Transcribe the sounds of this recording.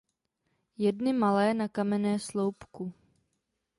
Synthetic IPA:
jɛdnɪmalɛːnakamɛnɛːslowpku

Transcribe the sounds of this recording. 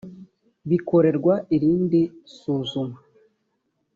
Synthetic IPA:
βiko̞ɾe̞ɾɡwaiɾiːndisuːzuma

